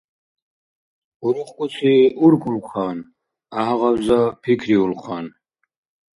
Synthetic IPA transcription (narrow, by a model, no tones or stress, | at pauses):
uɾuχkʼut͡sʰiuɾkʰʼulχʰaːn | aɦaʁawzapʰikʰɾiulχʰaːn